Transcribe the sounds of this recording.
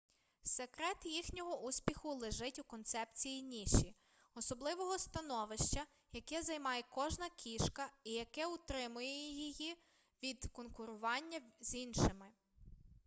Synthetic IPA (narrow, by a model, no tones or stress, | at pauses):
sekɾɛt̪jixnʲɔɦɔʔusʲpʲixʊlˠeʒɪtʲukɔnt̪sɛpt͡sʲijinʲiʃi | ɔsɔblˠɪʋɔɦɔst̪ɐnɔʋɪʃt͡ʃɐ | jɐkɛzɐjmɑjɛkɔʒnɐkʲiʃkɐijɐkɛʊt̪ɾɪmʊjɛjijiji | ʋʲid̪kɔnkʊɾʊʋɑnʲːɐz̥inʃɪmɪ